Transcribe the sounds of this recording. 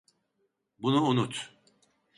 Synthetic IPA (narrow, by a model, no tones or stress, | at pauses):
bunuunut̪